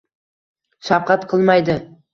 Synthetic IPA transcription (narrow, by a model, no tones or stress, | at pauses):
ʃap̚qɑt̪qʰɨlˠmɑjd̪ɪ